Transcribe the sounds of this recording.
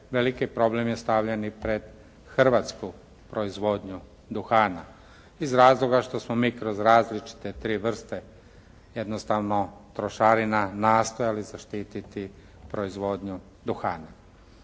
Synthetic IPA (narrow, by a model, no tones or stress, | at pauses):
ʋelikipɾo̞blemje̞st̪aʋʎenipɾe̞d̪ | xr̩ʋaːt̪sku | pɾo̞izʋo̞d̪ɲu | d̪uxaːna | izɾaːzlˠo̞ɡaʃt̪o̞smomiːkɾo̞zɾaːzlit͡ʃi̥t̪et̪ɾiːʋr̩st̪e | jed̪nost̪aʋno̞t̪ɾo̞ʃaːɾinanaːst̪ojalizaʃt̪iːt̪it̪i | pɾo̞izʋo̞d̪ɲu | d̪uxaːna